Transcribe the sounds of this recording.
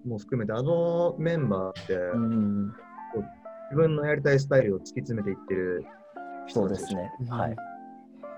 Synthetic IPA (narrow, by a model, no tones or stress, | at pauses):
moːɸɯ̥kɯ̟me̞t̪eano̞mẽ̞mbaːt̪ːe̞ | kod͡ʑibɯ̟̃nːo̞jaɾʲit̪̬ais̬ɨ̥t̪aiɾɯ̟ot͡sɨ̥kʲit͡sɨme̞t̪e̞it̪ːe̞ɾɯ̟ | ç̥i̥tood̪esnehai